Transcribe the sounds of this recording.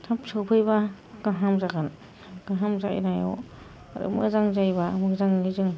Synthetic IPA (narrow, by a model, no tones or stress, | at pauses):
tʰapsawpʰɯjba | ɡ̥aɦamzaɡan | ɡ̥aɦamzaḭnajɔ̰ | a̰ɾɯ̰mɯ̰zaŋzajbamɯzaŋizɯŋ